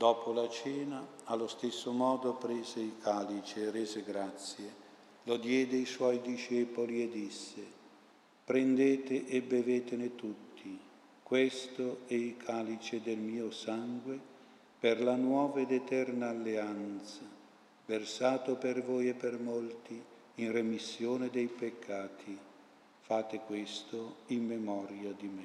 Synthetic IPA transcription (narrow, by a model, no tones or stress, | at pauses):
d̪ɔːpʰolat͡ʃɛːnaalːost̪esːomɔːd̪opɾɛːzeilkʰaːlit͡ʃeːrɛːzeɡɾat̪sje | lod̪jɛːd̪eiswɔjd̪iʃɛːpolied̪ːisːe | pɾend̪eːt̪eʔebeveːt̪enet̪ut̪ːi | kwest̪oɛilkʰaːlit͡ʃed̪elmiːosaŋɡwe | perlanwɔːvaed̪ɛt̪ɛrnaːlːeant̪sa | versaːt̪opervoːjepːermolt̪i | inremisːjoːned̪ɛjpekʰːaːt̪ʰi | faːt̪ekwest̪oimːemɔɾjad̪imɛ